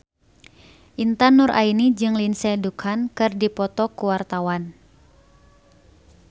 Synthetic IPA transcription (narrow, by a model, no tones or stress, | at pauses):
ʔint̪anurʔa̰inid͡ʒɨŋlinsɛdukʰankɨrdipɔt̪ɔkuwart̪awan